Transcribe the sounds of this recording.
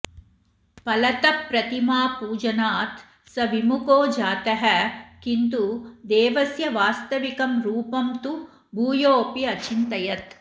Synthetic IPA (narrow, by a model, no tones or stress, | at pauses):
pɐlɐt̪ɐpːɾɐt̪imaːpuːd͡ʒɐnaːt̪ | sɐʋimukoːd͡ʒaːt̪ɐɦɐkint̪ud̪eːʋɐsjɐʋaːst̪ɐʋikɐmɾuːpɐmt̪u | bʱuːjoːpiɐt͡ʃint̪ɐjɐt̪